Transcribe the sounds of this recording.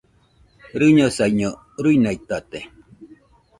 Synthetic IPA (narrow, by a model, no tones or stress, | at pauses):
ɾɨɲosaiɲo | ɾɨjnajt̪at̪e